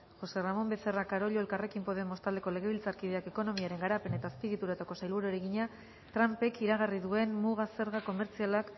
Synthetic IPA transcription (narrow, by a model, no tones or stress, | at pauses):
xo̞se̞ramo̞mbe̞θe̞rakaɾo̞ʎo̞e̞lkare̞kimpo̞ðemo̞st̪ald̪e̞ko̞le̞ɣ̞e̞β̞ilt͡saɾkið̞e̞ake̞ko̞no̞miaɾe̞ŋɡaɾapene̞t̪aːspiɣ̞it̪uɾat̪ako̞sajlβuɾoeɾeɣiɲa | t̪ɾampe̞kiɾaɣariðue̞nmuɣase̞ɾɣako̞me̞ɾt͡sialak